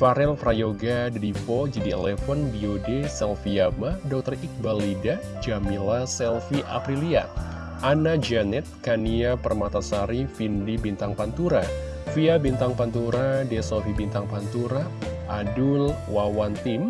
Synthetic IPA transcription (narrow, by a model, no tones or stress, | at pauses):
faɾɛlfɾajoɡadədifɔd͡ʒidiɛ̰lɛfɔnbiodɛsɛlfiamadɔk̚t̪ərik̚balida | d͡ʒamilasɛlfiʔa̰pɾilia̰ | ʔanad͡ʒanɛt̪̚kaniapərmat̪asaɾifindibint̪aŋpant̪uɾa | fiabint̪aŋpant̪uɾadɛsofibint̪aŋpant̪uɾaʔːdul | wawant̪im